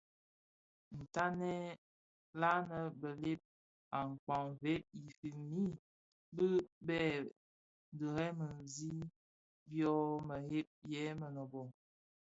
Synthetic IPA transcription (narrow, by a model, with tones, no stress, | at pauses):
n̩˨ta˦nɛ˦ | la˦nə˨bə˨le˦p̚ | a˨ŋ̩˨k͡pa˨ŋve˦p̚i˨fi˨mi˦ | bə˦bɛ˦˨ | n˨də˨ɾɛ˦mə˨zi˦ | bjɔ˦mə˨he˦p̚jɛ˦mə˨nɔ˨bɔ˨